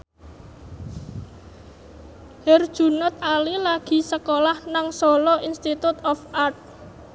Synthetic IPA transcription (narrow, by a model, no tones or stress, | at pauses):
hɛrd̥ʒ̥ṳnət̪̚alilaɡ̥i̤səkolahnaŋsɔlɔʔinst̪it̪ut̪ɔfart̪̚